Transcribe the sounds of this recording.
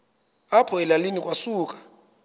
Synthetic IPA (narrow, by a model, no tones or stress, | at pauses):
apʰɔɛlalinikʼwasuːkʼḁ